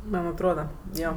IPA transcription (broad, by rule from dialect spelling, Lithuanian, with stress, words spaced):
mɐn ɐtˈroːdɐ ˈjoː